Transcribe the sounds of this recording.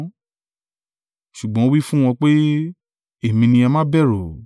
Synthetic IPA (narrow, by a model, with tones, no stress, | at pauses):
ʃu˨ɡ͡bɔ̃˦o˦wi˦fũ˦w̃ɔ̃˧k͡pe˦ | e˦˨mĩ˧nĩ˧ɛ˧mã˦bɛ˦˨ɾo˨